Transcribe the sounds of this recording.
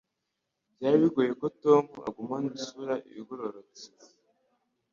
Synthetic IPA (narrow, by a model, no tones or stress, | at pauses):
bjaːɾiβiɡoje̞kotomua̰ɡumanisuɾaʔḭβiɡoɾoɾot͡se̥